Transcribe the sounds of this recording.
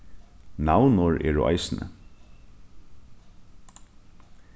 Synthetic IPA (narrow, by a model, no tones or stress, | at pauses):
nawnʊɹʔɛ̰ːɹʊ̰ʔa̰ɪsnə̰